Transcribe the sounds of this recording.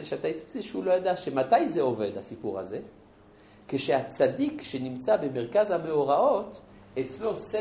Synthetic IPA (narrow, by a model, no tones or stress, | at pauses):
ʃavt̪ajit͡su̥t͡siʃeulo̞jad̪aʃemat̪ajzeo̞ve̞d̪hasipuʁha̰ze̞ | keʃehat͡sadikʃe̞nimt͡sabe̞me̞ʁkazhame̞oʁao̞t̪ | et͡slo̞se